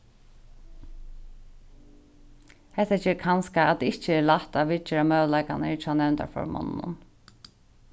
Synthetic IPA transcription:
hɛht̪at͡ʃɛːɾkʰanskaːd̪ɪɪt͡ʃːəɛlaht̪aʋɪt͡ʃɪɾamœːʋlaɪkanɪt͡ʃʰaːnɛːnt̪a̰fɔ̰ɾmɔ̰nnʊ̰n

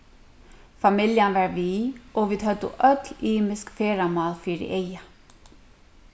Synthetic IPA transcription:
famɪljanvaɾviʔɔviːðɦœt̪ːʊ̰ʔœt̪liːmɪskfɛːɾamaːlfiːɾɪ̰ʔeja

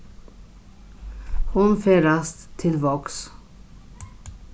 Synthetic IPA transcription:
hʊnfeːɾast̪t̪ʰːɪlvɑks

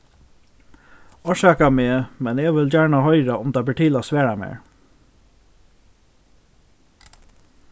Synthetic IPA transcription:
ɔʃaːkameːmɛnɛːʋɪld͡ʑæːɹɳahœʏɾaʊmd̪abɪʈʰɪːlasʋæːɹamḛːɹ

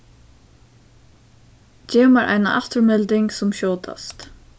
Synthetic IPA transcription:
t͡ʃɛːmaɾʔa̰jnaʔaft̪ʊɹmɛlt̪ɪŋksʊmɕoːt̪ʰa̰st̪

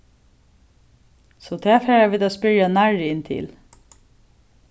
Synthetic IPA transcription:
soːt̪ʰæːfeːɹɑʋɪd̪oːspʏɹjɑnæɹɪnt̪ʰɪ̰l

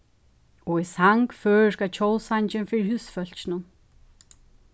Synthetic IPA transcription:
ɔɣisaŋkfœːɾkat͡ɕʰowlsaɲt͡ɕɪnfɪɾɪɾhʏsfœl̥t͡ɕnʊn

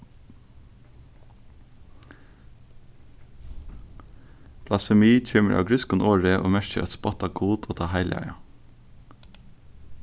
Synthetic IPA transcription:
pʰlɑsfɛmiːc͡çʰøːmə̰ʔɑ̰ːʋɡɹʏskʊnʔoːɹəʔo̰ːmæʃçəɾʔɑt̪spɑt̪ɑɡʰuːt̪ʰoːt̪ʰɑːhæɪlʔæ̰ɪɑ

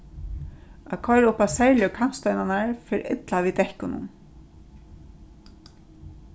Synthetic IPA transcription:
akʰɔjɾʊhpasɛɹljəkʰan̥st̪œjnanaɹfɪɾʔɪ̰t̪lavid̪ɛhkʊnʊ̰n

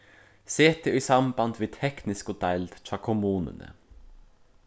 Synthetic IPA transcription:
seːt̪ʰeːiːsɑmbɑnd̪ʋiːt̪ʰɛknɪskʊt̪ʰæld̪tʰɾɑːkʰʊmuːnə̰nə̰

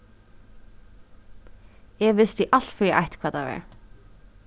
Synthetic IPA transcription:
ɛɣvɪst̪iʔal̥t̪fɾɛʔa̰jht̪kʰvaːðt̪avɛ̰ɹ

